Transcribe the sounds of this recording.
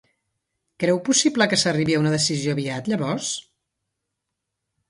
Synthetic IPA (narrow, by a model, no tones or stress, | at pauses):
kɾɛwpusipləkəsəriβiəunəðəsizioβiat̪ʎəβɔɾs